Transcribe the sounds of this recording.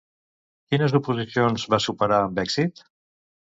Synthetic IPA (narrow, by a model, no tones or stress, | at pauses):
kinəzupuzisionzβasupəɾaəmbɛksit̪